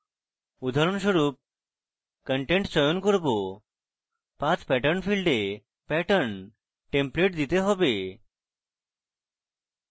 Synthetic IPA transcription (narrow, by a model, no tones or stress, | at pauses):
ud̪ʱaɾunsɔɾuːp̚ | kəɳʈẽɳʈsɔjɔnkɔɾbo | pãt͡spɛʈəɾnfilɖe | pɛʈəɳ | ʈẽmpleʈd̪it̪eɦɔbe